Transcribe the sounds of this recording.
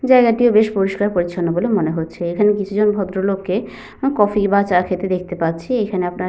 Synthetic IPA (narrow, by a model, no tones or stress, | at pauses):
d͡ʑaeɡaʈiobeʃpoɾiʃkaɾpoɾit͡ɕʰonːobolemoneɦotːɕʰeekʰanekit͡ɕʰud͡ʑɔnbʱɔd̪ɾolokːe | kɔfibat͡ɕakʰet̪ed̪ek̚ʰt̪epatːɕʰiekʰaneapnaɾ